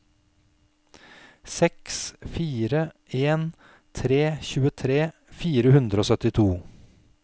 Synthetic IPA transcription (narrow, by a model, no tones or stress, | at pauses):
sɛksfiːɾə | eːn | t̪ʰɾeːçʉːət̪ʰɾeːfiːɾəhʉnd̪ɾəoːsœt̪ɪt̪ʰuː